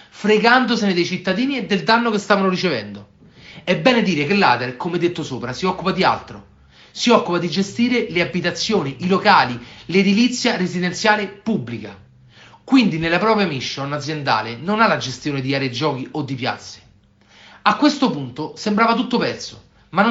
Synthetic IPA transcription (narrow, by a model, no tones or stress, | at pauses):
fɾeɡand̪osened̪ejt͡ʃit̪ːad̪iːnied̪ːeld̪anːokest̪aːvanorit͡ʃevɛnd̪o | ɛbːɛːned̪iːɾekelːaːd̪erkomɛd̪ːet̪ːosoːpɾasiɔkːupad̪ia̰lt̪ɾo̰ | siɔkːupad̪id͡ʒest̪iːɾeleabːit̪at̪sːjoːniʔilokaːliled̪ilit̪sːjarezid̪ent̪sjaːlepubːlika | kwind̪inelːapɾɔːpɾjamiʃːonad̪zjend̪a̰ːlenonalad͡ʒest̪joːned̪iaːɾeed͡ʒɔːkiʔod̪ːipja̰t̪sːe̥ | akːwest̪opunt̪osembɾaːvat̪ut̪ːopɛrt̪so | ma